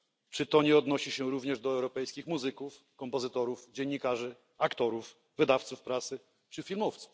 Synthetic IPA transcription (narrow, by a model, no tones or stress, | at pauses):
t͡ʂɘt̪ɔɲɛɔd̪nɔɕiɕɛɾuvɲɛʐd̪ɔɛwɾɔpɛjskʲixmuzɘkuf | kɔmpɔzɘt̪ɔɾuvd͡ʑeɲːikaʐɘ | akt̪ɔɾuf | vɘd̪aft̪sufpɾat̪sɘ | t͡ʂɘfʲilmɔft̪su̥f